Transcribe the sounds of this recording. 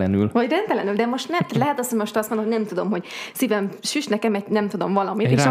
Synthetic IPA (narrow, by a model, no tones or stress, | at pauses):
ɛny̰lvɒɟrɛnt̪ɛlɛnyld̪ɛmo̞ʃt̪nɛmt̪ɛt̪lɛɦɛt̪ɒsomo̞ʃt̪ɒst̪monomojnɛmt̪ud̪o̞mho̞ɟsivɛmʃyʃnɛkɛmɛtnɛmt̪ud̪o̞mvɒlɒmit̪eːʃ